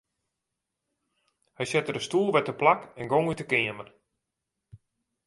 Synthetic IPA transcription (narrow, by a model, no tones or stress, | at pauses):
hɛjsɛtəɾəstuːlˠʋɛtəplakɛnɡoŋytəkɪəmər